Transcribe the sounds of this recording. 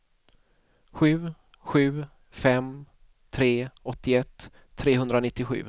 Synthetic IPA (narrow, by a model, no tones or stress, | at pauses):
ɧʉ̟ː | ɧʉ̟ː | fɛm | t̪ʰɾeːɔt̪ːɪɛt̪ʰː | ɾeːɦɵnd̪ɾanɪt̪ːɪɧʉ̰ː